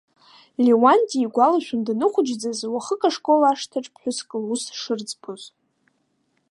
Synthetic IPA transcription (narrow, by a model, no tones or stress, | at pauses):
liwantʼiːɡʷalaʃᶣʊndanɨχʷʊd͡ʒd͡zazwaχəkʼaʂkʼolaʂtʰaʈ͡ʂʼpʰħʷᶣʊskʼɨlusʂɨrd͡zpʰoz